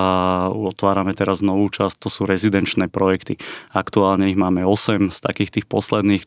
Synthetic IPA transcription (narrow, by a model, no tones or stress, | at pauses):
ɔt̪ʋaːɾamɛt̪ɛɾaznɔʋuːt͡ʃast̪ːɔsuːɾɛzid̪ɛnt͡ʃnɛːpɾɔjɛkt̪iakt̪uaːlɲɛiɦmaːmɛɔsɛmst̪a̰kiːxt̪iːxpɔslɛd̪niːx